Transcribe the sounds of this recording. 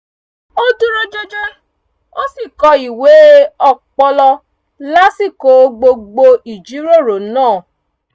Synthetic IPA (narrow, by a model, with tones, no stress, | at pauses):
o˦du˦ɾo˦d͡ʒo˧d͡ʒe˦ | o˦si˦˨kɔ˧i˨we˨˦ɔ˦˨k͡pɔ˧lɔ˧ | la˦si˦˨ko˨˦ɡ͡bo˧ɡ͡bo˧i˨d͡ʒi˨˦ɾo˦˨ɾo˨˦nãː˦˨